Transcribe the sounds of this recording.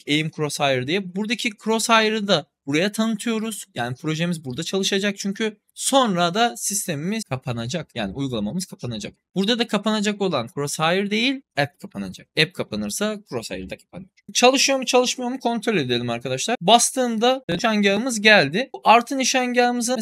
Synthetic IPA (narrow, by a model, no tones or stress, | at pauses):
ejimkʰɾoshajɯɾd̪ejilbuɾd̪acʰikʰɾo̞shajɯɾɯd̪abuɾajat̪ʰanɯt̪ʰɯjo̞ɾuz̥jaːnipʰɾo̞ʒe̞mizbuɾd̪at͡ʃʰalˠɯʃad͡ʒak̚t͡ʃʰyɲcʰy | so̞nɾad̪asist̪ʰe̞mimizkʰapʰanad͡ʒakjaːniujɡulˠamamɯz̥kʰapʰanad͡ʒa̰k̚b̥uɾd̪ad̪akʰapanad͡ʒako̞lˠankʰɾoshaːjɯɾd̪e̞jilʲɛp̚kʰapʰana̰d͡ʒak̚ɛp̚kʰapʰanɯɾsakɾosa̰jɯ̰ɾɯd̪akʰḁpʰanɯjoɾt͡ʃʰalˠɯʃɯjomut͡ʃʰalˠɯʃmɯjo̞ɾmukʰo̞nt̪ɾo̞lʲe̞d̪e̞lʲimaɾkʰad̪aʃlˠaɾbast̪ʰɯːmd̪aaɲɟaɯmɯzɟælʲd̪ɪaɾt̪ʰɯniʃaɲɟamɯzɯ